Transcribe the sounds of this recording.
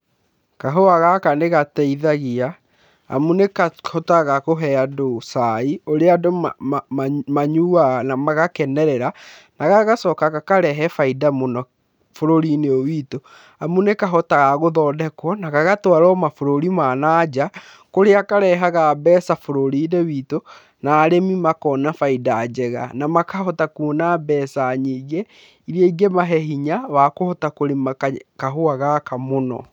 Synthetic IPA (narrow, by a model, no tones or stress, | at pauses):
kaɦoaɣakaneɣatɛiðaɣia | a̰munekahɔtaɣakoɦɛadosaioɾeado | maɲuanamaɣakɛnɛɾɛɾa | naɣaɣasɔːkakakaɾɛɦɛfaidamunɔ | foɾoɾineowiːto | amunekaɦɔtaɣaɣoðɔːdɛkwɔnaɣaɣatwaɾɔmafoɾoɾimaːnaːd͡ʑa | koɾeakaɾɛɦaɣabɛːsafoɾoɾinewiːto | naːɾemimakɔːnafaidaːd͡ʑɛɣa̰namakahɔtakunabɛːsaɲiːɡe | iɾeiɡemaɦɛɦiɲawakohɔtakoɾemkaɦoaɣakamonɔ̰